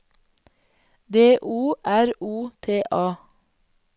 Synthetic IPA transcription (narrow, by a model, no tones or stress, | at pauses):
d̪eːʔuːʔæɾuːt̪ʰeːʔɑː